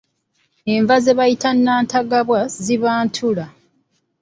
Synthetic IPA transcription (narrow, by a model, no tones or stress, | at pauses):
eɱvazeβajitanːaːntaɡaβwaziβaːntʰula